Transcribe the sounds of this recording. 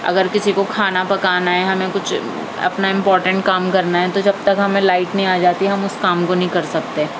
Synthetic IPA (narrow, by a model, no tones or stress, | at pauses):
ɐ̰ɡəɾkɪsikokʰaːnapɐkaːnaɦɛɦɐmẽkʊt͡ʃʰ | ɐ̰pnaɪ̃mpɔːɾʈə̃ɳʈ̚kaːmkɐɾnaɦɛt̪od͡ʒɐb̚t̪ɐkɦɐmẽlaːɪʈnɐɦĩaːd͡ʒaːt̪iɛɦɐmʊskaːmkonɐɦĩkɐɾsɐk̚t̪e